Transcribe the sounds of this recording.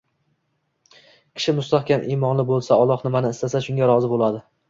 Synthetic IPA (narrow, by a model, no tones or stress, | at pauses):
kʲʰɪ̥ʃɪmʊst̪aχkʲanʔimɒnlɪbolˠsaɒlˠɒχnɪmanɪɪst̪asaʃʊŋɡʲaɾɒzɪbolˠad̪ɪ